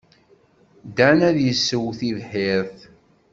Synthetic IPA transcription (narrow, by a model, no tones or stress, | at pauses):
d̪ænæðjəsːəwθiðħɪɾθ